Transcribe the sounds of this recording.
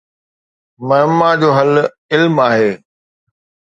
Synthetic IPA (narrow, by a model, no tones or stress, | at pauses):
mɐmːad͡ʑoːɦɐl | ɪlmaːɦeː